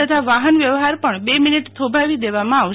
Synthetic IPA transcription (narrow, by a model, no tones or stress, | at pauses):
ət̪ʰaʋaɦənʋjəʋɦaɾpəɳbeminiʈt̪ʰobʱaʋid̪eʋamãaʋ